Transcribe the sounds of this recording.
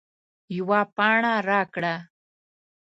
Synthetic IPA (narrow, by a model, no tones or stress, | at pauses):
jʊwapaːɳaɾaːkɽa